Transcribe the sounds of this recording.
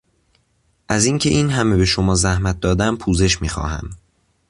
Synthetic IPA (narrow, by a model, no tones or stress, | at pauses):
ʔæziːŋcʰe̞ʔiːnɦæme̞be̞ʃomɒːzæhmæt̪̚d̪ɒːd̪æmpʰuːze̞ʃmiːxɒ̰ːhæ̰m